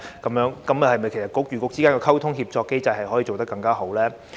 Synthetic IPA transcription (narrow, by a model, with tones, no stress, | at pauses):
kɐ˨˦mjœː˨˥ŋkɐ˨˦m˨hɐ˨˩jmɐ˨˩jkʰe˨˩st̚kʊ˥k̚jyː˨kʊ˧k̚t͡siː˥kaː˥ŋkɔː˧kʰɐ˥wt̪ʰʊ˥ŋɦiː˧p̚t͡sɔː˧kːe˥jt͡sɐ˧jhɐ˨jhɔː˨˥ji˧t͡so˨wt̪ɐ˥kːɐ˧ŋkaː˥ɦo˨˥wlɛː˥